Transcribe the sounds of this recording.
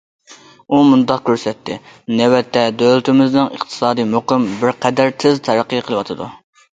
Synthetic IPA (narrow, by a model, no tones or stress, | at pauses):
umund̪ɑq̚kʲøɾsɛt̪ʰːɪnɛwɛt̪ʰːɛd̪ølɪt̪ʰɪmɪznɪŋə̰χt̪ʰɨ̥sɑːd̪ɨjmoqɨmbɪɾqʰɛd̪æɾt̪ʰɪzt̪ʰɛɾæqʰːijqʰəlˠɨwɑt̪ʰɨd̪ṵ